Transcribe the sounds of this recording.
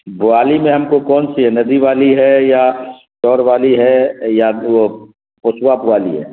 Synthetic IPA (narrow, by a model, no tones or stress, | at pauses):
bʊaːlimẽɦɐmkokɔːnsinɐd̪iʋaːliɦɛja | ʃɔːɾʋaːliɦɛjao | pʊswabʊaːlḭɦɛ̰ː